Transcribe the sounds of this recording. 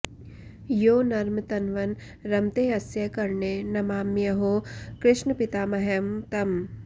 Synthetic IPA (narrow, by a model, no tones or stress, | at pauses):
joːnɐɾmt̪ɐnʋɐn | ɾɐmt̪eːɐsjɐkɐɾɳeːnɐmaːmːjɐɦoːkɾɪʃnəpɪt̪aːmɐɦɐmt̪ɐm